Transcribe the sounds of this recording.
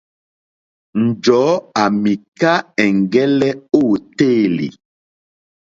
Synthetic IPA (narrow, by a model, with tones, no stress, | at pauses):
n̩˨d͡ʒɔː˨˦a˨mi˨ka˦ɛ˨ŋ˨ɡɛ˦lɛ˦o˦˨te˦˨lḭ˨